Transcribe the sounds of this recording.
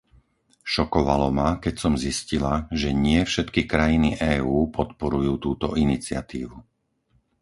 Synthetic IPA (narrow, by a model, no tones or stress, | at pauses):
ʃɔkɔʋalɔmakɛcsɔmziscilaʒɛɲɪɛfʃɛt̪kikɾajiniʔɛːuːpʰɔt̪pɔɾujuːt̪uːt̪ɔʔinit͡sɪa̰t̪iːʋu